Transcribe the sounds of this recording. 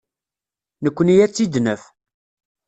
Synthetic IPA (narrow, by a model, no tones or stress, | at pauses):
nəkʷːənijæt͡sːid̪nəf